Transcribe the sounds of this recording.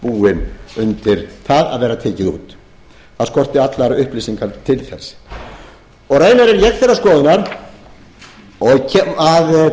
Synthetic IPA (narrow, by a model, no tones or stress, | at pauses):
puːɪnʏnt̪ɪɾ̥θaða̰ðvɛːɾat̪ʰɛːcɪṵːt̪ | θaðskɔr̥t̪ɪat̪laɾʏhpliːsiŋkʰalt̪ʰɪlθɛsː | ɔɣreːjnaɾɛɾjɛxθɛɾaskɔːðʏnaɾ | ɔcʰɛmað